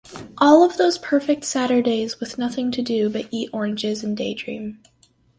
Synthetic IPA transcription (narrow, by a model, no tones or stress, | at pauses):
ʔɔlˠʌvðoʊz̥pʰɜ˞fɪk̚tsæɾə˞deɪzwɨðnʌθɪ̃ŋtʰɨdɨbʌɾiɾɔɹɨ̃nd͡ʒɪzɨ̃n̩deɪdɹḭ̃m